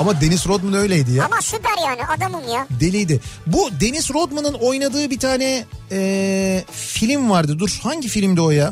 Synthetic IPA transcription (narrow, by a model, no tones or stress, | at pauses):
amad̪e̞nizɾod̪mɯnø̞jlʲejd̪ijaamaʃud̪æɾjaːnɪʔad̪amɯnjad̪e̞lʲijd̪ɪbud̪e̞nizɾod̪manɯno̞jnad̪ɯːbit̪ʰaːnɛɛ | filʲimvaɾd̪ɯd̪uɾhaɲɟifilʲimd̪ɛo̞ja